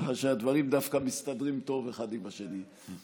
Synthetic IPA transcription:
aʃead̪vaʁimd̪afkamist̪ad̪ʁimt̪o̞ve̞χad̪imaʃeni

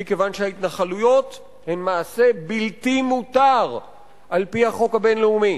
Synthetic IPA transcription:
ike̞vanʃehait̪naχalujo̞t̪ | hemmaːse̞biltimut̪aʁ | ʔalpihaχo̞khabe̞nleumi

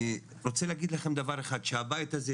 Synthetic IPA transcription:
ʁot͡seleːɡid̪laχemd̪avaʁeχad̪ʃeabajit̪aze

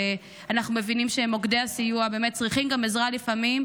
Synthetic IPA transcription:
anaχnume̞vinimʃemo̞ɡd̪easijuabeːmet̚t͡sʁiχimɡamezʁalifamim

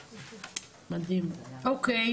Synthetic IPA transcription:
mad̪imʔoke

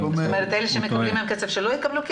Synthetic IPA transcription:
momeʁet̪eleʃemekalimemket͡sevʃelojekabluk

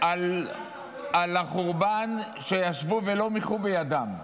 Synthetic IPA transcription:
ʔal | alaχuʁban | ʃejaʃvuvelo̞miχubejad̪am

